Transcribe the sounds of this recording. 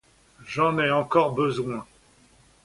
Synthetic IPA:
ʒɑ̃nɛɑ̃kɔʁbəzwɛ̃

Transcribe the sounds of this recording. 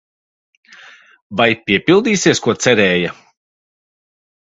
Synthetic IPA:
vajpʲiɛpilˠd̪iːsiɛskuɔt̪sɛɾɛːja

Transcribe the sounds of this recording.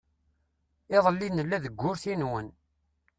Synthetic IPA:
eðˤəlːinəlːæðəɡʷːʊɾθinwən

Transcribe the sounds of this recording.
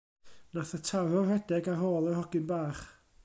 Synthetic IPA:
naθətʰarɔrɛdɛɡaɦoːlˠɔhɔɡɪnbaːχ

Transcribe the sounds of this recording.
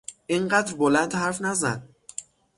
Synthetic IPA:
ʔiɴɢæːd̪ɾbolænd̪hæɾfnæzæ̰d̪̥̚

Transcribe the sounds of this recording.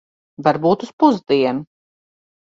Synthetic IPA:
vaɾbuːt̪uspuzd̪iɛnu

